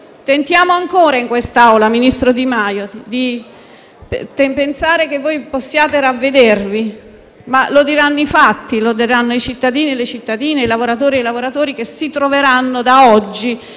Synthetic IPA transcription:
t̪ent̪jaːmoaŋkoːɾaiŋkwest̪aawlaminist̪ɾod̪imaːjod̪i | pt̪epensaːɾekevːojposːjaːt̪eɾavːed̪ervi | malod̪iɾanːoifat̪ːilod̪iɾanːoit͡ʃit̪ːad̪iːnilet͡ʃit̪ːad̪iːneilavoɾat̪oːɾiejlavoɾat̪oːɾikesit̪ɾoveɾanːod̪aɔd͡ʒːi

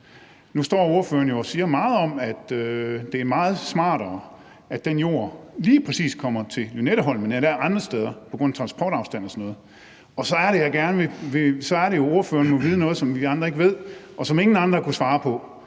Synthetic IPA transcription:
nusd̥ɒ̰ːo̝ɐfø̰ːɐnjo̝ɒsiːɐmɑ̈ːð̞̩ˠɒ̽mæd̥ød̥e̝æɐmɑ̈ːð̩ˠsmɑ̰̈ːɾɐː | æ̥enjo̝̰ɐ̰liːpʰʁɛsḭːskʰɒ̽m̰ɐt͡sʰe̝lyneɾ̥əɦɒ̽l̰menæɐɾ̥æʔɑ̈nd̥ʁɐsd̥eð̞ˠɐpʰɒɡ̥ɔ̽n̰ɐ̥t͡sʰɑ̈nsb̥ʰɒ̰ːɾ̥ɑ̈ʊsd̥æn̰ɒsɒ̽nɔːð̩ˠ | ɒ̽sɒ̽æɐɾejaɡ̥æɐnəʋe̝ʋe̝sɒ̽æɐɾe̝jo̝o̝ɐfø̰ːɐnmɒ̽ʋiːð̞ˠənɔ̽ːð̞̩ˠsɒ̽mʋiɑ̈nd̥ʁɐe̝ɡ̥əʋe̝ð̞̰ˠʔɒ̽sɒ̽me̝ŋn̩ɑ̈nd̥ʁɐkʰusʋɑ̈ːpʰɒ̽

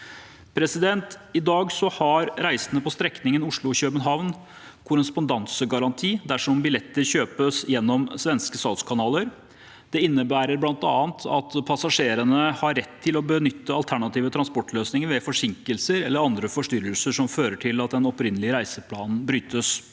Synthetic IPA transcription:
pʰɾɛsɪd̪ɛnt̪ɪd̪ɑːɡsɔhɑɾɾæɪsənəpʰɔst̪ɾɛknɪŋənʊʂɭʊɔɕøːbənɦɑʋn | kʰʊɾəspʊnd̪ɑnt̪səɡɑɾɑnt̪ʰiːd̪æʂɔmbɪlɛt̪ːəɾçøːpəsjɛnːɔmsʋɛnskəst̪ɑːt̪skʰɑnɑːləɾ | d̪̥ɛɪnːəbæːɾəɾblɑnt̪ɑːnt̪ʰɑt̪pʰɑsɑʂeːɾənəhɑɾːɛt̪ʰːɪlɔbənʏt̪ːəɑlt̪ʰæɳɑt̪iːʋət̪ʰɾɑnspɔʈːløːsnɪŋəɾʋɛfɔʂɪŋkəlsəɾɛlːəɾɑnd̪ɾəfɔʂʈʏɾəlsəʂɔmføːɾəʈʰɪlɑt̪̚d̪ɛnɔpɾɪnəlɪəɾæɪsəpʰlɑːnn̩bɾyːt̪ʰːəs

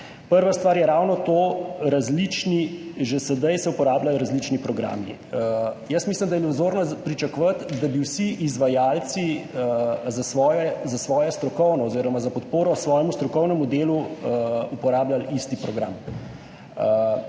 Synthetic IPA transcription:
pəɾʋast̪ʋaːɾjɛɾaːwnɔt̪oːɾazlit͡ʃniʒesɛd̪ɐjsɛupɔɾaːblajɔɾazlit͡ʃnipɾɔɡɾa̰ːmḭ | jəst̪mislimd̪ajɛlozoːɾnapɾit͡ʃakʋət̪d̪abiwsiʔizʋajaːlt̪si | zasʋɔːjɛzasʋɔːjɛst̪ɾɔkɔwnɔːziːɾɔmazapɔt̪poːɾɔsʋɔːjɛmust̪ɾɔkɔwnɛmud̪eːlu | upɔɾaːbljalist̪ipɾɔɡɾa̰m

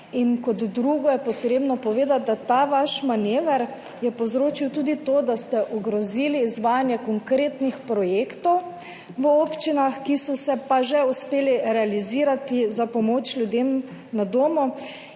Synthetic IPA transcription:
inkɔd̪ːɾuɡɔjɛpɔt̪ɾeːbnɔpɔʋeːd̪at̪̚d̪at̪aːʋaʃmaneːʋɛɾ | jɛpɔwzɾoːt͡ʃiwt̪ud̪it̪od̪ast̪ɛʔuɡɾɔziliːzʋaːjanjɛkɔŋkɾeːt̪nixpɾɔjeːkt̪ɔw | ʋəoːpt͡ʃinaxkisɔsɛpaʒɛuspeːliɾɛaliziːɾat̪izapɔmoːt͡ʃljud̪em | nad̪oːmu

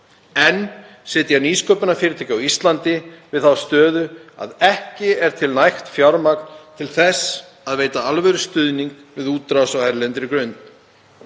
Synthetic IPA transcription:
ɛn | sɪːt̪ɪjaniskœːpʏnafɪːɾɪt̪ʰɛːcawist̪lant̪ɪvɪðθawst̪œːðʏa̰ðɛhcɪɛɾ̥t̪ʰɪlnajxt̪fjawɾmakl̥t̪ʰɪlθɛs | aðveːjt̪aalvɛɾʏst̪ʏðniŋkvɪðuːt̪ːɾawsawhɛɾlɛnt̪ɪɾɪkɾʏnt̪

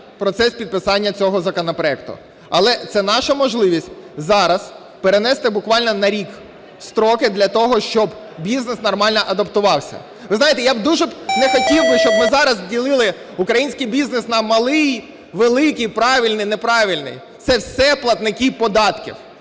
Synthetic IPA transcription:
pɾɔt̪sɛspʲid̪̚pɪsɑnʲːɐt͡sʲɔɦɔzɐkɔnɔpɾɔɛkt̪ʊ̰ | ɐ̰lˠɛt̪sɛnɑʃɐmɔʒlˠɪʋʲisʲt̚ʲzɑɾɐs | peɾenɛst̪ɪbʊkʋɑlʲnɔnɐɾʲik | st̪ɾɔkɪd̪lʲɐt̪ɔɦɔʃt͡ʃɔb | bʲiznesnɔrmɑlʲnɐʔɐd̪ɐpt̪ʊʋɑwsʲɐ̰ | ʋɪznajɪt̪ɛjabd̪uʒɛnexɔtʲiwbɪʃt͡ʃɔbmɪzɑɾɐzdʲilˠɪlˠɪ | ʊkɾɐjinʲsʲkɪjbʲiznesnɐmɐlˠɪj | ʋelˠɪkʲijpɾɑʋʲilʲnɪjnepɾɑʋʲilʲnɪ̰j | t̪sɛwsɛplˠɐt̪nɪkipɔd̪ɑt̪kʲḭw

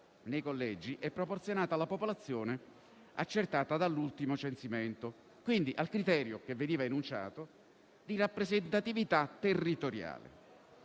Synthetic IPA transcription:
nejkolːɛd͡ʒiʔɛpːɾoport̪sjonaːt̪alapopolat̪sːjɔːne | a̰t͡ʃːert̪aːt̪ad̪alːult̪imot͡ʃensimɛnt̪o | kwind̪iʔalkɾit̪ɛːɾjok̟evːeniːvaenunt͡ʃa̰ːt̪o | d̪irapːɾezent̪at̪ivit̪at̪ːerːit̪oɾja̰ːlḛ

